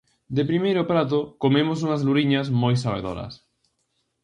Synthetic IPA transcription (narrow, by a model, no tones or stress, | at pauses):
d̪epɾimejɾʊpɾat̪̬ʊkomemos̬uŋɐzluɾiɲɐsmojsaβḛðo̰ɾɐ̰s